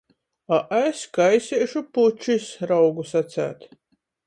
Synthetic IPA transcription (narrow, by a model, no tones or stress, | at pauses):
aʔeskajsʲiːʃuput͡ʃisɾawɡusat̪sæ̰ːt̪